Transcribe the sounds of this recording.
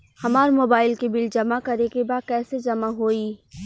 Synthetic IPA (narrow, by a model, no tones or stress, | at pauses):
hɐmaːɾmoːbaːɪlkebɪld͡ʒɐmakɐɾekebaːd̪̚kɛːsed͡ʒɐmaɦoːiː